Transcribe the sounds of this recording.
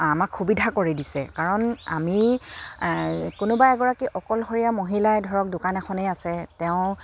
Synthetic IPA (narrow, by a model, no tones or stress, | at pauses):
amakxubidʱakoɹidisɛ̰kaɹɔna̰mi | kʊnʊbaɛɡɔɹakiʔɔkɔlɦoɹijamoɦilajdʱɔɹɔk̚dʊkanɛxɔneasɛtɛʊ̃